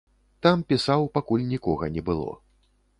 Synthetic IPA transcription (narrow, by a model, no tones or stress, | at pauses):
t̪ampʲisawpakulʲnʲikɔɣɐnʲɛbɨlˠɔ̰